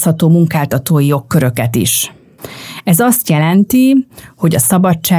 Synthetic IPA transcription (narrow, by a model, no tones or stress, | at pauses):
shɒt̪oːmuŋkaːlt̪ɒt̪oːjijo̞kːøɾø̞kɛt̪ḭʃ | ɛzɒst̪jɛlɛnt̪iho̞ɟɒsɒbɒt͡ʃːaː